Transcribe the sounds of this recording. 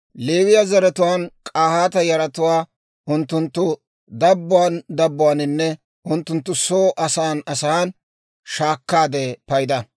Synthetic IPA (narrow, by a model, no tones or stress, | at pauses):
leːwɪjɐzɐɾɛt̪ʊwaːnkʼaːhaːt̪ɐjɐɾɐt̪ʊwaː | ʔʊnt̪ːʊnt̪ːʊ | d̪ɐbːʊwand̪ɐbːʊwaːnɪnːɛ | ʔʊnt̪ːʊnt̪ːʊsoːʔɐsaːnɐsɐan | ʃaːkːaːd̪epɐjd̪ɐ